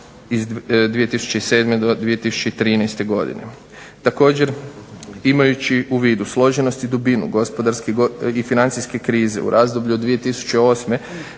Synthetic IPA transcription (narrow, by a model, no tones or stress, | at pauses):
izd̪ʋije̞t̪isu̥t͡ʃe̞ise̞ːd̪med̪od̪ʋie̞t̪isu̥t͡ʃeit̪ɾiːnajst̪e̞ɡo̞d̪ḭnḛ | t̪ako̞ːd͡ʑe̞ɾ | imajut͡ɕiuʋiːd̪uslˠo̞ʒeno̞st̪id̪ubinṵɡo̞spo̞d̪aɾskiɡoifinant̪sijske̞kɾiːze̞̰ṵɾʔaːzd̪o̞bʎuod̪ʋije̞t̪isu̥t͡ɕeo̞ːsme̞